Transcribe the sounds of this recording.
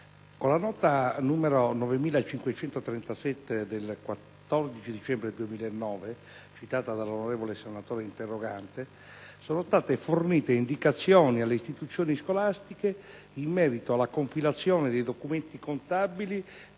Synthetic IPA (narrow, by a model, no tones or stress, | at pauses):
kolːanɔːt̪anuːmeɾonɔvemiːlat͡ʃiŋkwet͡ʃɛnt̪ot̪ɾɛnt̪asɛt̪ːed̪elkwat̪ːɔrd̪it͡ʃid̪it͡ʃɛmbɾed̪uemiːlaenːɔːve | t͡ʃit̪aːt̪ad̪alonoɾɛːvolesenat̪oːɾeint̪erːoɡant̪e | soːnost̪aːt̪eforniːt̪eind̪ikat̪sːjɔːnialːeist̪it̪ut̪sːjoːniskolast̪ike | imːɛːɾit̪oalːakoɱfilat̪sːjoːned̪ejd̪okument̪ikont̪abili